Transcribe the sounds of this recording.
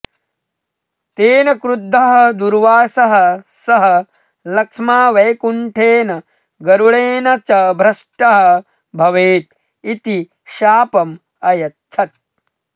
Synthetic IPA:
t̪eːnɐkɾud̪ʱːɐɦɐd̪uɾʋaːsɐɦɐsɐɦɐ | lɐkʂmaːʋɐjkuɳʈʰeːnɐ | ɡɐɾuɭeːnɐt͡ʃɐbʱɾɐʂʈɐɦɐ | bʱɐʋeːt̪̚ | it̪i | ʃaːpɐm | ɐjɐtːt͡ʃʰɐt̪̚

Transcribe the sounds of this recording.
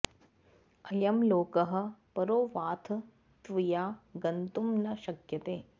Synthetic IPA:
ɐjɐmloːkɐɦɐ̆pɐɾoːʋaːt̪ʰ | t̪ʋijaːɡɐnt̪umnɐʃɐkjɐt̪eː

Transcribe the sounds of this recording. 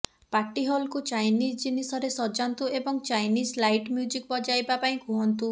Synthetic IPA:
paʈiɦɔlkut͡ʃajnisd͡ʒinisɔɾesɔd͡ʒant̪uebɔŋt͡ʃajnislajʈmjud͡ʒik̚bɔd͡ʒajbapaĩkũɦɔnt̪u

